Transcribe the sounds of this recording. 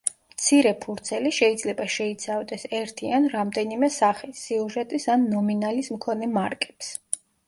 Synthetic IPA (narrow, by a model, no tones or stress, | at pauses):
mt̪sʰiɾɛpʰuɾt̪sʰɛliʃɛid̪zlɛbaʃɛit̪sʰavd̪ɛsɛɾt̪ʰianɾamd̪ɛnimɛsaχisːiuʒɛt̪ʼisanːɔminalismkʰɔnɛmaɾkʼɛ̥ps